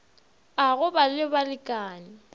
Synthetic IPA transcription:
aɣʊbalɪbalɪkʼaːnɪ

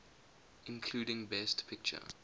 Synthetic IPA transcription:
ɪ̃nkʰluːɾɪ̃ŋbɛstpʰɪk̚t͡ʃə̰

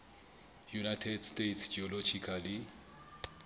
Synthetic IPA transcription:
junajtʰɛdstetsd͡ʒiɔlɔd͡ʒikʰali

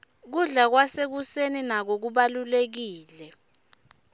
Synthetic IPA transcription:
k̬uɮak̬wasek̬useninak̬ok̬uɓalulek̬iːlɛ

